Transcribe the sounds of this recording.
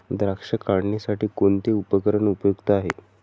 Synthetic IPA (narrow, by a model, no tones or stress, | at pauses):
d̪ɾakʂəkaɽnisaʈiːkoɳt̪eupəkəɾəɳupəjuɡt̪əaɦḛ